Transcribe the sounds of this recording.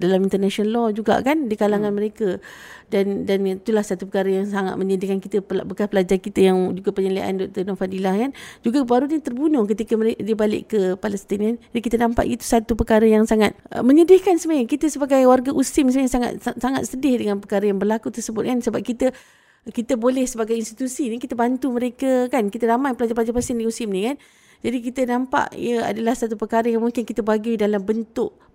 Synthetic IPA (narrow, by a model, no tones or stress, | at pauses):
dalamint̪ərnaʃiɔnlɔd͡ʒuɡa̰ʔkandikalaŋanməɾekədandanit̪ulahsat̪upəkaɾəjaŋsaŋa̰t̪̚məɲədɪhkankit̪əpbəkaspəlad͡ʒarkit̪əjaŋd͡ʒuɡapəɲəlia̰ʔa̰ndɔk̚t̪ərnɔfadilahkand͡ʒuɡabaɾuɲət̪ərbunʊhkət̪ikəməediəbalɪ̰ʔkəpaləst̪inanadikit̪ənãmpa̰ʔit̪u̥sat̪upəkaɾəjaŋsaŋat̪̚məɲədɪhkansəmaɲəkit̪əsəbaɡajwarɡaʔusɪmsəmaɲasaŋa̰t̪saŋat̪̚sədɪhdəŋãnpəkaɾəjaŋbərlakut̪ərsəbʊt̪̚kansəbap̚kit̪ə | kit̪əbolɛhsəbaɡajinst̪i̥t̪usinikit̪abant̪uməɾekakankit̪əɾamajpəlad͡ʒaplad͡ʒapasɪndiusɪmnĩkan | d͡ʒadikit̪ənampa̰ʔḭjəa̰dalahsat̪upəkaɾəjaŋmuŋkɪnkit̪abaɡidalambənt̪ʊʔ̚